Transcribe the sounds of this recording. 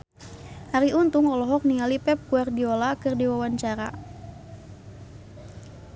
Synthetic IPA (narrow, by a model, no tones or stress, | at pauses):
haɾiʔunt̪ʊŋɔlɔɦɔk̚niŋalipɛp̚kuardiɔlakɨrdiwawaɲt͡ʃaɾa̰